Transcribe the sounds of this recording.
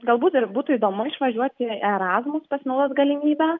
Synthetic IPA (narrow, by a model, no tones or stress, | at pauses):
ɡɐlˠbuːt̪ɪrbuːt̪ʊiːd̪oːmʊɪʃʋɐʒʲuɔt̪ʲɪɛɾɑːzmʊspɐsʲmʲɛʊd̪ɐsɡɐlʲɪmʲiːbʲæː